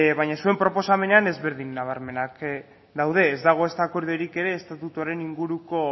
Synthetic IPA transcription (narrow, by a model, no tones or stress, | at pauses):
βajɲasue̞mpɾo̞po̞same̞ne̞ane̞zβe̞ɾðinːaβ̞aɾme̞nak | d̪awðe̞ːzd̪aɣ̞o̞e̞st̪aːkoɾðeɾike̞ɾe̞ːst̪at̪ut̪oɾe̞niŋɡuɾuko̞